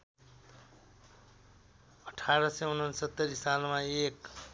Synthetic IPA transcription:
ʌʈʰaɾʌseunʌnsʌt̪ːʌɾisalmaek

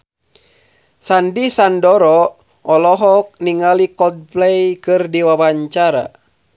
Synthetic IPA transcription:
sandisandɔɾɔ | ɔlɔɦɔk̚niŋalikɔd̚plɛjkɨrdiwawaɲt͡ʃaɾa̰

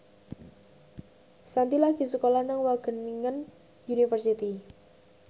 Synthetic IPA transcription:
sant̪ilaɡ̥i̤səkolanaŋwaɡ̥ə̤niŋən | junifərsit̪i

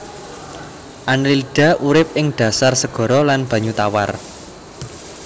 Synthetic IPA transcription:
ʔanlilid̥ä̤ʔuɾɪp̚ɪŋɖ̥ä̤sarsəɡ̥ɔ̤ɾɔlanb̥ä̤ɲut̪awar

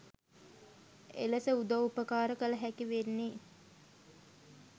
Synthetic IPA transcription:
ḛləsəud̪ɐupəkaːɾəkələɦækiʋenːi

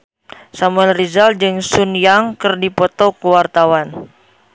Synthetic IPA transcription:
samuɛnrizald͡ʒɨŋsunjaŋkɨrdipɔt̪ɔkuwart̪awan

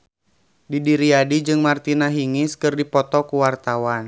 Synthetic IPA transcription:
didiɾiadid͡ʒɨŋmart̪inaɦiŋɪskɨrdipɔt̪ɔkuwart̪awan

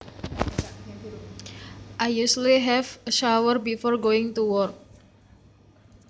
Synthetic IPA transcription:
ʔajjusliɦɛvəʃawərbifɔrɡoɪŋt̪uwɔrk̚

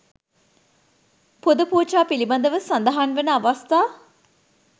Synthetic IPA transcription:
pud̪əpuːt͡ʃaːpiliband̪əʋəsand̪əɦanʋenəaʋast̪aː

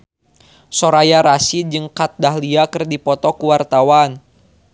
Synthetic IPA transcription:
sɔɾajaɾasid͡ʒɨŋkat̪̚daɦliakɨrdipɔt̪ɔkuwart̪awan

